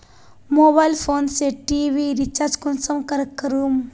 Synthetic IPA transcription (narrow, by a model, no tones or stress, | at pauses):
moːbajlfʰoːnseʈiʋiɾit͡ʃaːɾd͡ʒkonsɐmkɐɾɐkːɐɾum